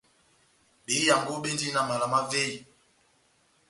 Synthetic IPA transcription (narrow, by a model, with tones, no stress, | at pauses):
ɓe˨˦ja˨ŋɡo˦ɓe˦ndi˦na˨ma˨la˨ma˦ve˦i˨